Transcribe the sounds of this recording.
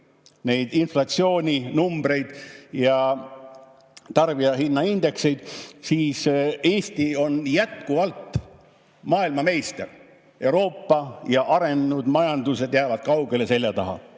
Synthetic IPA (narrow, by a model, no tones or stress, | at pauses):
ne̞jd̪̥inflɑt̪sio̞ːnʲinumbɾe̞jd̪̥jɑ | t̪ɑrb̥iɑɦinːɑind̪̥e̞kse̞jd̪̥siːse̞ːst̪io̞njæt̪kuvɑlt̪ˑ | mɑːilmɑme̞jst̪e̞̰r | e̞wɾo̞ːpːɑjɑʔɑɾe̞nnud̪̥mɑjɑnd̪̥use̞d̪̥jæːvɑd̪̥̚kɑwɡe̞le̞se̞ljɑt̪ɑɦɑ̰